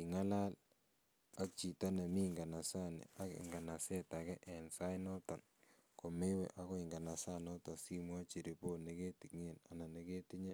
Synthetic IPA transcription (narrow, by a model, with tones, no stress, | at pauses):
ki˨ŋa˦la˦l | a˦k̚t͡ʃi˨ta˦ne˨mi˦ŋɡa˨na˨sa˦nḛ˨a˦kɪ̰˨ŋɡa˨na˨sɛ˦ta˨kɛ˦ʔɛ˨nsa˦jnɔ˦tɔ˨n | ko˨me˦wḛ˨ʔa˦kɔ˦ɪ˨ŋɡa˨na˨sa˦nɔ˦tɔ˨si˦mwa˦t͡ʃi˨ɾi˨po˦ne˦ke˦ti˨kŋe˨na˨na˨ne˨ke˦ti˦ɲe˦